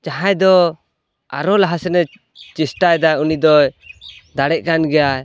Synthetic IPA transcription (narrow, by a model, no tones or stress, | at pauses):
t͡ʃaɦãjd̪ɔ | aɾɔlaɦasɛnɛ | t͡ʃisʈajd̪ajunid̪ɔjd̪aɽɛʔ̚ˀkanɡɛjaj